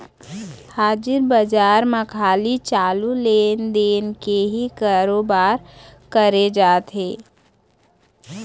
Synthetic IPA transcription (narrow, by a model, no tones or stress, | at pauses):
haːd͡ʒɪɾbəd͡ʒaːɾməkʰaːlit͡ʃaːluleːnd̪eːnkeɦikaːɾoːbaːɾkəɾed͡ʒaːt̪ɦeː